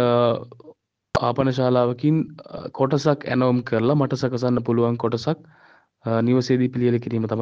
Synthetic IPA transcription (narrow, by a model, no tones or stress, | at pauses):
a̰ːpɐnɐʃ̬aːlaːʋɐkinkʰoʈɐsakɛ̰noːmkʰəɾlamaʈɐsakɐsanːəpuluʋaŋkoʈɐsak̚ | niʋəseːd̪ipilijələkiɾiːmət̪ama